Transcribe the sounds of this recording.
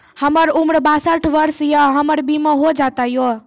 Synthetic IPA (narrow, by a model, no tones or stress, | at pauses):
həməɾumɾbasaʈʰʋəɾsjaɦəməɾbimãɦod͡ʒat̪ajo